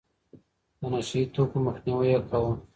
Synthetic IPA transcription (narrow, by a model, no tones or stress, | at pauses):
d̪ənaʃait̪okoməxniwəjakʰawə